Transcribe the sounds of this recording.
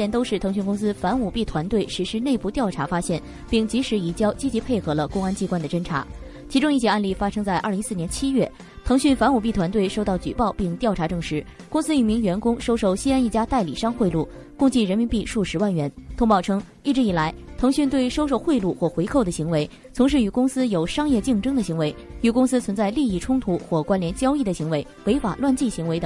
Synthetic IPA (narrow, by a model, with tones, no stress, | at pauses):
ɛ˥˩nt̪o˥ʊʂɻ̩˥˩t̪ʰɤ˧˥ŋɕy˥˩nkʊ˥ŋsɹ̩˥fa˧˥nu˨˩pi˥˩t̪ʰwa˧˥nt̪we˥˩ɪʂɻ̩˧˥ʂɻ̩˥ne˥˧ɪpu˥˧t̪jɑ˥˩ʊʈ͡ʂʰa˧˥fa˥ɕjɛ˥˩n | pi˥˩ŋt͡ɕi˧˥ʂɻ̩˧˥i˨˩t͡ɕjɑ˥ʊt͡ɕi˥t͡ɕi˧˥pʰe˥˩ɪxɤ˧˥lə˧kʊ˥ŋa˥nt͡ɕi˥kwa˥˩nd̪ə˩ʈ͡ʂə˥nʈ͡ʂʰa̰˧˥ | t͡ɕʰi˧˥ʈ͡ʂʊ˥ŋi˥˩jɛ˥˩a˥˧nli˥˩fa˥ʂɤ˥ŋt͡sa˥˧ɪʔɐ˞˥˩li˧˥ŋsɹ̩˥˩njɛ˧˥nt͡ɕʰi˥ɥɛ˥˩ | t̪ʰɤ˧˥ŋɕy˥˩nfa˧˥nu˨˩p̬i˥˩t̪ʰwa˧˥nt̪we˥˩ɪʂo˥˧ʊt̪ɑ˥˩ʊt͡ɕy˨˩pɑ˥˧ʊpi˥˧ŋt̪jɑ˥˩ʈ͡ʂʰa˧˥ʈ͡ʂɤ˥˩ŋʂɻ̩˧˥kʊ˥ŋsɹ̩˥y˨˩mi˧˥ŋɥɛ˧˥nkʊ˥ŋʂo˥ʊʂo˥˩ʊɕi˥a˥ni˥˩t͡ɕja˥t̪a˥˩ɪli˨˩ʂɑ˥ŋxwe˥˧ɪlu˥˩ | kʊ˥˧ŋt͡ɕi˥˩ɻə˧˥nmi˧˥npi˥˧ʂu˥˩ʂɻ̩˧˥wa˥˩nɥɛ˧˥nt̪ʰʊ˥ŋpɑ˥˩ʊʈ͡ʂʰɤ˥ŋ | i˥˩ʈ͡ʂɻ̩˧˥i˨˩la˧˥ɪt̪ʰɤ˧˥ŋɕy˥˧nt̪we˥˩ɪʂo˥ʊʂ̬o˥˧ʊxwe˥˧ɪlu˥˧xwɔ˥˩xwe˧˥ɪkʰo˥˩ʊd̪ə˩ɕi˧˥ŋwe˧˥ɪ | t͡sʰʊ˧˥ŋʂ̬ɻ̩˥˩y˨˩kʊ˥ŋsɹ̩˥jo˨˩ʊʂɑ˥ŋjɛ˥˧t͡ɕi˥˩ŋʈ͡ʂɤ˥ŋd̪ə˨ɕi˧˥ŋwe˧˥ɪy˨˩kʊ˥ŋsɹ̩˥t͡sʰwə˧˥nt͡sa˥˧ɪli˥˧i˥˩ʈ͡ʂʰʊ˥ŋt̪ʰu˧˥xwɔ˥˩kwa˥nljɛ˧˥nt͡ɕjɑ˥ʊi˥˩d̪ə˩ɕi˧˥ŋwe˧˥ɪwe˧˥ɪfa˨˩lwa˥˧nt͡ɕi˥˩ɕi˧˥ŋwe˧˥ɪd̪ə˧˩